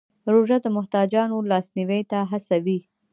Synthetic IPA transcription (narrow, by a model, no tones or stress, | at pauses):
ɾoʒad̪əmʊht̪ɑd͡ʒɑnolɑsniwejt̪aɦasawi